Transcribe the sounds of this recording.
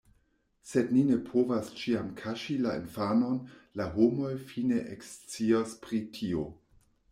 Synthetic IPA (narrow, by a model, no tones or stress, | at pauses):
sednine̞pʰovast͡ʃiamkʰaʃilaḛnfano̞nlaɦomo̞jfine̞ʔekst͡siaspɾitʰio̞